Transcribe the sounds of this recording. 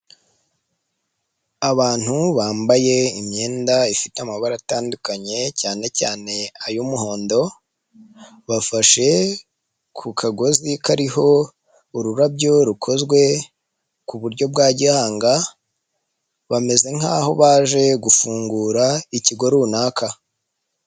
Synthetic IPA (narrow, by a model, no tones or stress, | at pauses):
aβaːn̥huβaːmbaje̞imɲe̞ːndaifiteamaβaɾataːndukaɲe̞caːne̞caːne̞ajumuho̞ːndo̞ | βafaʃe̞ | kʰukʰaɡo̞zikaɾiho̞ | uɾuɾabɟo̞ɾukʰo̞zɡwe̞ | kuβuɾɟo̞b̚ɡaːɟihaːŋɡa | βame̞ze̞ŋ̥aːho̞βaːʒe̞ɡufuːŋɡuːɾaiciɡo̞ɾunaːkʰa